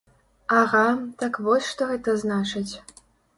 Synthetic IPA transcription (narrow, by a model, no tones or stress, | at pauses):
aɣat̪akvɔsʲʂt̪ɔɣɛt̪ɐznat͡ʂɨt͡sʲ